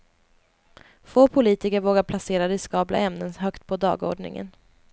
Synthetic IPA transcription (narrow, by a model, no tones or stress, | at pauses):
foːpʰʊliːt̪ɪkəɾvoːɡaɾpʰlaseːɾad̪ɛskɑːblʔa̰ʔɛmnənɦœkt̪pʰɔd̪ɑ̰ːɡo̰ːɖɳɪ̰ŋə̰n